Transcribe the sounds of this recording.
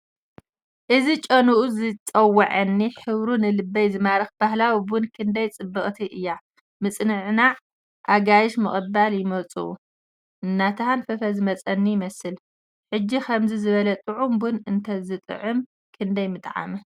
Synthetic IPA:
ʔɨzit͡ʃʼɐnuʔuzɨt͡sʼɐwːɐʕɐnːiħɨβɾunɨlɨbːɐjzɨmaɾɐxbahlawibʊnkʰɨnd̪ɐjt͡sʼɨbːɨχʼt̪ʰiʔɨjːa | mɨt͡sʼnɨʕna | ʔaɡajɪʃmɨχʼɨbaljɪmɐt͡sʼṵṵ | ʔɨnːat̪ʰɨhanfɐfɐzɨmɐt͡sʼɐnːijɪmɐsɨl | ħɨd͡ʒːikʰɐmzizɨβɐlɐt̪ʼɨʕumbʊnɨnt̪ʰɐzɨt̪ʼɨ̰ʕɨm | kʰɨnd̪ɐjmɨt̪ʼʕa̰mɨ

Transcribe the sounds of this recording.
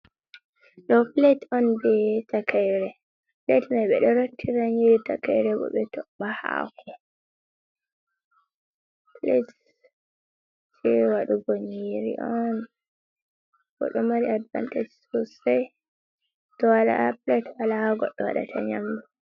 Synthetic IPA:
ɗɔpletɔnbɛtakajɾɛ | pletmajɓɛɗɔɾotʰːiɾaɲiɾitakajɾɛɓɔ̰ɓɛtɔaha̰kʰɔ | plet | t͡ʃɛwaɗuɡoɲiɾḭʔɔn | bɔ̰ɗɔmaɾiadva̰nted͡ʒsosaj | tɔwala̰pletwalahaɡɔɗːɔwa̰ɗa̰tʰa̰ɲa̰mdu

